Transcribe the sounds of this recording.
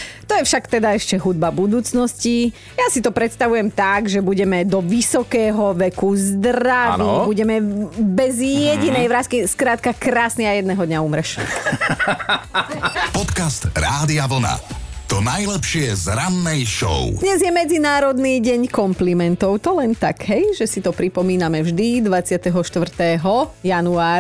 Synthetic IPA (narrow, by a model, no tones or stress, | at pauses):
t̪ɔjɛfʃakt̪ɛd̪aɛʃcɛɦud̪̚babud̪uːt͡snɔsci | jasit̪ɔpɾɛt̪st̪aʋujɛmt̪aɡʒɛbuɟɛmɛd̪ɔʋisɔkɛːɦɔʋɛkuzd̪raʋiːbuɟɛmɛbɛzjɛɟinɛjʋɾaskiskɾaːt̪kakɾaːsniajɛd̪nɛːɦɔd̪ɲauːmɾɛʃɛ̰ | pɔt̪kast̪ɾaːd̪iaʋl̩na̰t̪ɔnajlɛpʃɪɛzɾanːɛjʃɔ̰ʊd̪ɲɛzjɛmɛd͡zinaːɾɔd̪niːɟɛɲkɔmplimɛnt̪ɔʊt̪ɔlɛnt̪aɡɦɛjʒɛsit̪ɔpɾipɔmiːnamɛvʒd̪id̪ʋat͡sɪat̪ɛɦɔʃt̪ʋr̩t̪ɛːɦɔjanuaːɾ